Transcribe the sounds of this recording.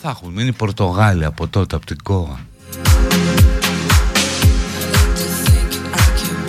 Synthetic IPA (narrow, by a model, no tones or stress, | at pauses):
θɐxunminipo̞ɾt̪o̞ɣɐliɐpo̞t̪o̞t̪eɐpo̥t̪iɡoɣɐ̰